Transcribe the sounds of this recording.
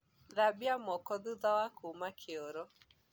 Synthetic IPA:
ðabiamɔkɔðuðawakʰumakʰeɔɾɔ

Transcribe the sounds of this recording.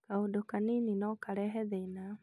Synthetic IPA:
kaudɔkanininɔkaɾɛɦɛðɛina

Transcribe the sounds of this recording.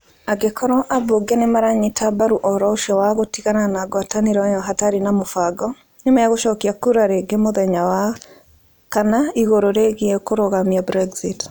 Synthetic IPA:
aɡekʰɔɾɔʔaboɡenemaɾaɲitʰabaɾuʔɔɾɔʃɔwaɣotiɣananaɡwataniɾaɔjɔɦataɾinamofaɡɔ | ɲomajaɣoʃɔkiakuɾaɾeɡemoðɛɲawa | kanaiɣoɾoɾeɣiɛkoɾoɣamiabɾɛɡzit

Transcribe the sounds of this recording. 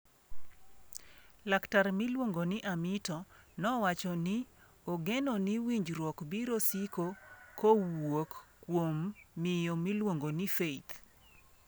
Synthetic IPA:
laktarmɪlwoŋɡonɪʔamɪtɔnɔwat͡ʃɔnɪ | oɡenɔnɪwiɲd͡ʒɾwɔkbiɾosikokowokːwomːɪjɔmilwoŋɡonɪfeit̪

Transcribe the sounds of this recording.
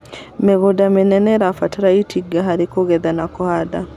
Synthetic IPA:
meɣodamenɛnɛɾafataɾaitʰiɡaɦaɾekoɣɛðanakohaða

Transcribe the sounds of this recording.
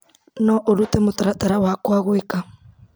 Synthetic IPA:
nɔʔoɾutɛmotaɾataɾawakwaɣweka

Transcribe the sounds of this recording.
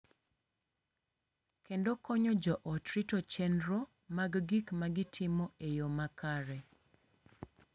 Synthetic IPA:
kendɔkɔɲɔd͡ʒɔʔɔtɾitɔt͡ʃɛndɾo | maɡɡikmaɡɪtʰɪmɔejomakaɾɛ

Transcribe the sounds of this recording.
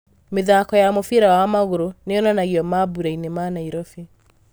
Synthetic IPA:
meðakɔjamofiɾawamaɣoɾoneɔnanaɣiɔmabuɾainemaːnaiɾɔfe

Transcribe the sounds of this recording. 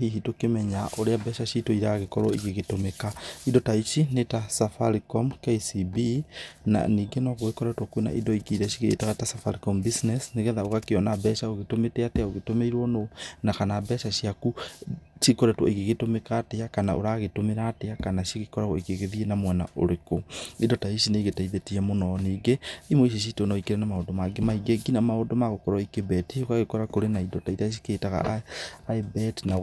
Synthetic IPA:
hiɦitokemɛɲaʔoɾeabɛʃaʃitoiɾaɣekɔɾɔiɣeɣetomekaidɔtaiʃinetasafalikɔmkeisibina̰niːɡenɔɣoekɔɾɛtwɔkwena̰ʔḭdɔikeɾɛʃiɣeɾḛːtaɣatasafaɾikɔmbisnɛsneɣɛðaoɣakeɔnabɛʃaoɣetometeateaoɣetomeiɾwɔnonakanabɛʃaʃiakuʃikoɾɛtwɔeɣeɣetomekaːteakanaʔo̰ɾaɣetomeɾateakanaʃiɣikɔɾaɣoekeɣeðienamwɛna̰ʔoɾekoidɔtaiʃineɣetaiðetiamonɔneɡeimwoiʃ̬iʃ̬iteonɔikeɾɛnamaondomaɡemaiɡeɡinamaodomaɣokɔɾɔikebɛtiokaɣekɔɾakoɾenaidɔtaitaʃ̬i̥keːtaɣa̰aebɛtna

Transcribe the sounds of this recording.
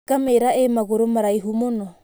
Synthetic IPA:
ɡ̥amɛɾaɛmaɡɔɾɔmaɾaiɦumɔnɔ

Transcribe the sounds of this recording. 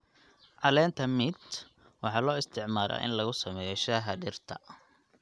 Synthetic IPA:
ʕɑlɛːnt̪ʰɐmɪd̪ | wɑħɑːlɔːɪst̪ʰɪʕmaːɾɐ̰ːʔɪ̰nlɐɣʊsɐmɛːjɔʃaːɦɐɖɪrt̪ʰɐ

